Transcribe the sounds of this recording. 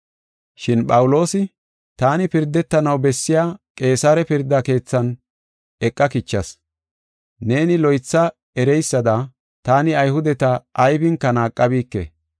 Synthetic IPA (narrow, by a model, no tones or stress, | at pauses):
ʃɪnɓʼɐwʊlo̞ːsɪ | t̪aːnɪpɪɾd̪ːɛt̪ːɐnɐwbɛsːɪjaːkʼe̞ːsaːɾɛpɪɾd̪ːake̞ːt͡sːɐn | ɛkʼːɐkɪt͡ʃːɐs | ne̞ːnɪlɔjt͡sːɐ | ɛɾɛjsːɐd̪ɐ | t̪aːnɪɐjhʊd̪ɛt̪ɐʔːjbɪŋkːɐnaːkʼːɐbiːkːɛ̰